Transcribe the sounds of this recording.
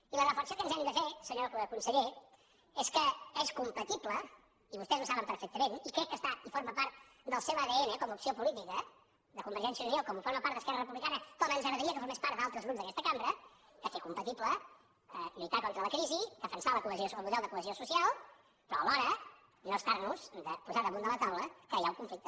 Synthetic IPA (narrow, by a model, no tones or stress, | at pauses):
ilərəfəɾsokənzɛmiðəfesəɲokəkunsəʎe | eskəeskumpət̪iplə | iβust̪ɛznusaβəmpəɾfɛk̚t̪əmenikɾɛkːəst̪aifoɾməpaɾt̪̚ | d̪əlˠseβəðeenəkɔməupsiopulit̪ikə | ðəkumbəɾʒɛnsiəuniokɔmufoɾməpaɾt̪əskɛrərəpuβlikanət̪oɛnzaɾəðəɾiəkəfoɾmespaɾd̪alˠt̪ɾəzɣɾupzðəkɛst̪əkambɾə | kəfekumpət̪iplə | əliit̪akɔnt̪ɾələkɾizikəfənsaləkuəziosəlˠmuðɛlˠd̪əkuəziosusialˠ | pɾɔəlɔɾə | noəst̪aɾnuz̥d̪əpuzaðəmũnd̪əlˠət̪awləkəjauŋkuɱflik̚t̪ə